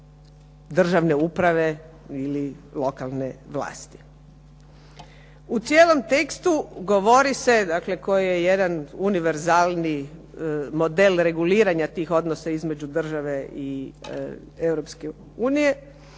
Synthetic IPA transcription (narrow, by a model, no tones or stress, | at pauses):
d̪r̩ʒaʋne̞upɾaʋe̞ | ililˠo̞kalˠne̞ʋla̰ːst̪i̥ | ut̪sjeːlo̞mt̪e̞kst̪uɡo̞ʋo̞ɾise̞d̪akle̞kojije̞jed̪anuniʋe̞ɾzaːlˠni | mo̞d̪elɾe̞ɡuliːɾaɲat̪iːxo̞d̪nosaizme̞d͡ʑud̪r̩ʒaʋe̞i | ewɾopske̞ | uːnije̞